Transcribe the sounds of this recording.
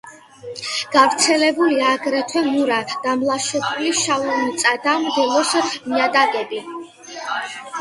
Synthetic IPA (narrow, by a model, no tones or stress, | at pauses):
ɡ̥avɾt̪sʰɛlɛbuliaɡɾɛt̪ʰwɛmuɾad̪̥amlˠaʃɛpʰuliʃaumt̪sʼad̪amd̪ɛlɔsmiad̪aɡɛbi